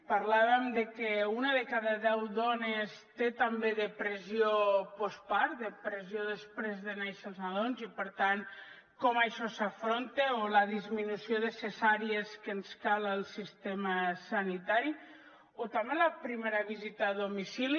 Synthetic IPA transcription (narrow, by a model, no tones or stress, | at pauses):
paɾlaβəmd̪əkeunaðəkaðəðɛwðɔnest̪et̪ambeðəpɾəzjiopɔspaɾd̪əpɾezjoðəspɾezðənejsalzaðonzipəɾt̪an | kɔmajʃɔsafɾont̪eoləðizminusioðəsesaɾjeskənskaləlˠsist̪eməsanit̪aɾi | ot̪ambeləpɾimeɾaβizit̪aðomisili